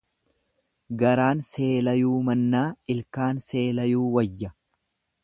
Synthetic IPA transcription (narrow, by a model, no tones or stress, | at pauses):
ɡɐɾaːnse̞ːlɐjuːmɐnːaːɪlkaːnse̞ːlɐjuːwɐjːɐ